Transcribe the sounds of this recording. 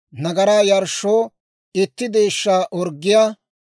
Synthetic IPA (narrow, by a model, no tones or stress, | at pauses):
nɐɡɐɾaːjɐɾʃoː | ɪt̪ːɪd̪eːʃːaːʔɔɾɡːɪjaː